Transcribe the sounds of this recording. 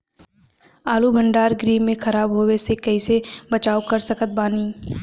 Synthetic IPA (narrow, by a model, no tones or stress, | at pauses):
aːlubʱə̃ɳɖaːɾɡɾiːẽxɐɾaːbɦoːwesekɐisebɐt͡ʃaːokɐɾsɐkət̪̚baːniː